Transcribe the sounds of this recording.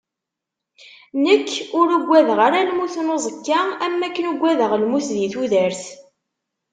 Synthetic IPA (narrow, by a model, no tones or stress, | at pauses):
nəkːʊɾuɡʷːæðʁaɾælmuθnozˤəkːaæmːækːənuɡʷːæðəʁəlmuθðiθuðəɾθ